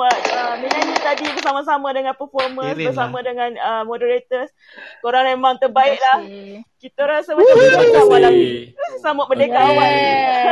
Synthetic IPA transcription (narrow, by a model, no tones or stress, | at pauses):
at̪̚əminanĩt̪adibərs̬amãs̬amãdəŋãnpərfɔrmãsbəsamãdəŋãnəmõdəɾet̪əs | koɾaŋmemãŋt̪ərbaɪʔlahkit̪əɾasəbətaəkak̪amalamsamʊt̪̚bərdekaʔawaʔ